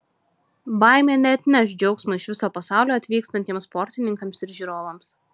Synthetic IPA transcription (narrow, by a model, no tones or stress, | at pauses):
bɑˑɪmʲeːnʲɛɐt̪ʲnʲɛʃ̬d͡ʒʲɛʊksmɐɪʃʋʲɪsoːpɐsɑˑʊlʲoːɐt̪ʲʋʲiːkst̪ɐnʲt̪ʲiɛmspɔɾʲt̪ʲɪnʲɪŋkɐmsɪɾʒʲiːɾoːʋɐms